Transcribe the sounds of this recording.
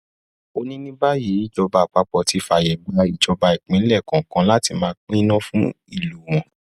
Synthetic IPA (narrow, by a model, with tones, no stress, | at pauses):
o˧nĩ˦nĩ˦ba˦je˨˦i˦˨d͡ʒɔ˧ba˧˨k͡pa˧k͡pɔ˧˨ti˧˦fa˧˨jɛ˨ɡ͡ba˨˦i˨d͡ʒɔ˧ba˧i˨k͡pĩ˨˦lɛ˦˨kã˨kã˧˦la˦ti˧mãː˨˦k͡pĩ˦nã˦fũ˦ | i˦˨lu˨w̃ɔ̃˨